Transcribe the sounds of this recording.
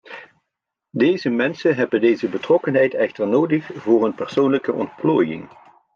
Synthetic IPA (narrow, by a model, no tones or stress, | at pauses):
dejzəmɛnsənɦɛbəndejzəbətrɔkənɦɛjtɛxtəɹnowdəχvʊːrənpɛɹsownləkəʔɔ̰ntploːjɪ̰ŋ